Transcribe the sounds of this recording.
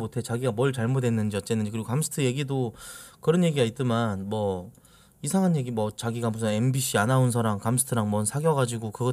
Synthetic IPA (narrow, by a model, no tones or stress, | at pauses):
motʰe̞t͡ɕaɡiɡamʌɭt͡ɕaɭmodwe̞nːɯnd͡ʑiʌt͡ɕ͈e̞nɯnɲd͡ʑikɯɾiɡokamsʰɯ̥tʰɯje̞ɡidokɯɾʌnje̞ɡiɡait̚t͈ɯmanmwʌ | isʰaŋɦanje̞ɡimwʌt͡ɕaɡiɡabusʰʌe̞mbiɕʰianaunsʰʌɾaŋkamsʰɯ̥tʰɯɾaŋmʌnsʰaɡjʌɡad͡ʑiɡokɯɡʌ